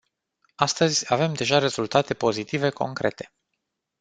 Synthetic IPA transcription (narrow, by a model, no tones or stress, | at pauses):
ast̪əzʲave̞md̪e̞ʒaɾe̞zult̪at̪e̞po̞zit̪ive̞ko̞̰ŋkɾʔe̞̰t̪ʰe̞̥